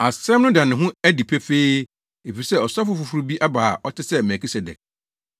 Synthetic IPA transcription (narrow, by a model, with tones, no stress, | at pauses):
a˨sɾɛ˦mnʊ̃˦dã˨nɪ̃˨ɦʊ̃˦æ˦di˨pʰɛ˦feː˦ | e˨fi˨isɛ˦ɔ˨sa˦fʊ˦fʊ˨fu˦ɾu˦bi˦ʔa˦baː˨ʔɔ˦tʰɪ˦sɛ˦mɛ˨kʰi˦sɛ˨dɛ̰˨k̚